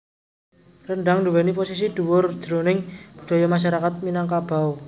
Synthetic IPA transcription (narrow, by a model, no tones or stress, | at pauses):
rəɳɖaŋnɖuwɛniposis̬id̪̥uwʊrd̥d͡ʒ̥əɾonɪŋb̥ṳɖ̥a̤jɔmaʃ̬aɾakat̪̚minaŋkab̥a̤w